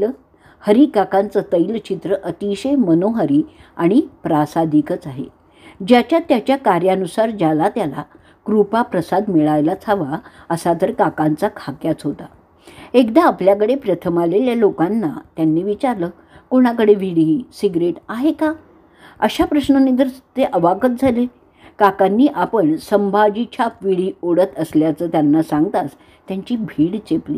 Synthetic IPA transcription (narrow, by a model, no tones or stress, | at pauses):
l | həɾikakant͡sət̪əjlt͡ɕit̪ɾəʔət̪iɕemənoɦəɾiːaɽ̃ipɾasad̪ʱikət͡saɦḛ | d͡ʑjat͡ɕjat̪jat͡ɕjakaɾjanusaɾd͡ʑalat̪jala̰ | kɾupapɾəsad̪miɭajlat͡sʰaʋa | əsat̪əɾkakant͡sakʰakjat͡sɦot̪a | ekd̪aːpljakəɽepɾət̪ʰəmaleljalokanːat̪janːiːʋit͡ɕaɾləː | koɽ̃akəɽeʋiɽiːsiɡɾeʈaɦeka | əɕapɾəɕɳənid̪əɾt̪eʔəʋaɡət̪̚d͡zʱale | kakanːiːʔapəɳsəmbʱad͡ʑit͡ɕʰaʋiɽiːoɽət̪əsljat͡səːt̪janːasãŋɡt̪as | t̪jaɲt͡ɕiːbʱiːɽt͡ɕeplḭ